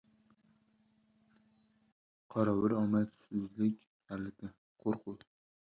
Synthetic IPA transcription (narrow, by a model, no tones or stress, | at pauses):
qʰɒɾɒwɪɾɒmat̪sɪzlɪkʲ | alɪd̪ʲɪ | qʰoɾqʰʊl